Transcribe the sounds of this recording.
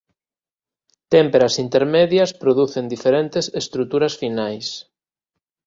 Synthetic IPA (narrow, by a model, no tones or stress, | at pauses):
t̪empeɾɐsint̪eɾmeðjɐspɾoðuθend̪ifeɾent̪ɪsest̪ɾut̪uɾɐsfinajs